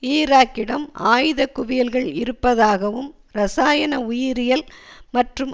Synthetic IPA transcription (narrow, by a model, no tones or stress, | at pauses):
iːɾaːkːɪɽɐmaːjðɐkʊʋɪjɐlɣɐɭɪɾɯpːɐðaːɣɐʋɯm | ɾɐsaːjɐnɐʊjɪɾɪjɐlmɐʈrɯm